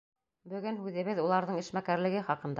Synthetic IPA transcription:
bɵ̆ɡɵnhʉðɘ̆βɘðulˠɑɾðɤɴiʃmækæɾlɘ̆ɡɘχɑqɤ̆nd̪ɑ

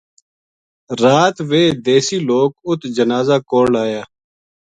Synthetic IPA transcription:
ɾaːt̪ʋeːd̪eːsiːloːkʊt̪d͡ʒənaːzaːkoːlaːjaː

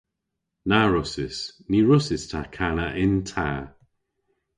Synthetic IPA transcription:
naɹʊsɪsniːɹʊsɪstʰakʰanəʔɪntʰaː

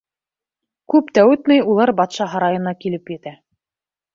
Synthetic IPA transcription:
kʉpt̪æwɘ̆t̪nɘjulˠɑɾbɑt̪ʃɑɦɑɾɑjŏnɑkilɘpjɘ̆t̪æ

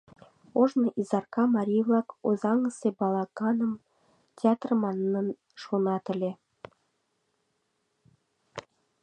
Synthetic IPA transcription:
oʒnɤ̆ʔizɑrkɑmɑɾʲijvlɑkozɑŋəsebɑlˠɑkɑnə̆m | tʲeɑt̪rmɑnːən | ʃonɑt̪ə̆lʲe

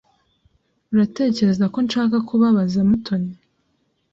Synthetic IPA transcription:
uɾate̞ːce̞ɾe̞zako̞nʃaːkakʰuβaβazamutʰo̞ɲi

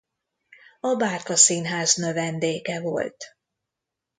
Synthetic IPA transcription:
ɒbaːrkɒsiːnɦaːznø̞vɛnd̪eːkɛvo̞̰lt̪

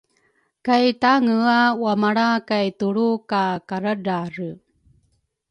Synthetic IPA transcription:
kajtaŋəawamaɽakajtuɭukakaɾədaɾə

